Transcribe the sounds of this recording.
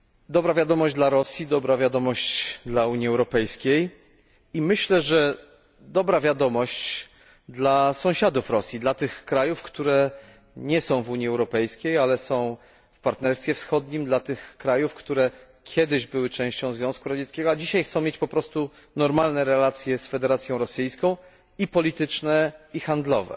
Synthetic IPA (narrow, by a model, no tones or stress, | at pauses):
d̪ɔbɾavʲjad̪ɔmɔʑd͡ʑd̪laɾɔsʲjid̪ɔbɾavʲjad̪ɔmɔɕt͡ɕd̪lauɲiɛwɾɔpɛjskʲej | imɘɕlɛʐɛ | d̪ɔbɾavʲjad̪ɔmɔɕt͡ɕ | d̪lasɔ̃w̃ɕad̪ufɾɔsʲjid̪lat̪ɘxkɾajufkt̪uɾɛ | ɲɛsɔ̃w̃vuɲiɛwɾɔpɛjskʲejalɛsɔ̃w̃ | fpaɾt̪nɛɾst̪fʲjɛfsxɔd̪ɲimd̪lat̪ɘxkɾajufkt̪uɾɛ | kʲʰɛd̪ɘʑbɘwɘt͡ʂɛ̃w̃ɕt͡ɕɔ̃w̃zvʲɔ̃w̃skuɾad͡ʑɛt̪skʲɛɡɔad͡ʑiɕajxt̪sɔ̃mʲjet͡ɕʲpɔpɾɔst̪u | nɔɾmalnɛɾɛlat̪sʲjɛsfɛd̪ɛɾat̪sʲjɔ̃w̃ɾɔsɘjskɔ̃w̃ | ipɔlʲit̪ɘt͡ʂnɛixand̪lɔ̰vɛ̰